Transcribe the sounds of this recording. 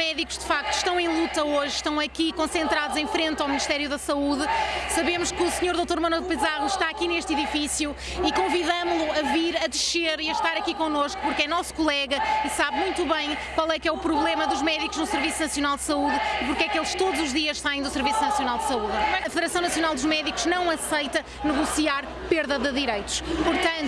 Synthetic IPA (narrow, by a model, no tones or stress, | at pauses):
mɛðiku̥ʒ̥d̪ɨfak̚t̪u̥ʃt̪ɐ̃w̃ẽj̃lˠut̪ɐoʒʃt̪ɐ̃w̃ɐkikõsẽnt̪ɾaðuzẽj̃fɾẽnt̪awmniʃt̪ɛɾjuðɐsɐuðɨsɐβemuʃkɨusɲoɾðot̪oɾmɐnwɛlˠpɨzaʁuʃt̪aɐkineʃt̪iðifisju | ikõviðɐmulˠuɐviɾɐðɨʃeɾiɐʃt̪aɾɐkikõnoʃku̥puɾkɛnɔsu̥kulˠɛɣɐisaβmũj̃t̪uβɐ̃j̃kwalˠɛkɛupɾuβlˠemɐðuʒmɛðikuʒnusɨɾvisunɐsjunalˠd̪sɐuðipuɾkɛkelˠʃt̪oðuzuʒðiɐʃt̪ɐ̃j̃d̪usɨɾvisunɐsjunalˠd̪sɐuðɐɐfɨðɨɾɐsɐ̃w̃nɐsjunalˠd̪uʒmɛðikuʒnɐ̃w̃ɐsɐjt̪ɐ | nɨɣusiaɾ | peɾðɐðɨðiɾɐjt̪u̥ʃpuɾt̪ɐ̃nt̪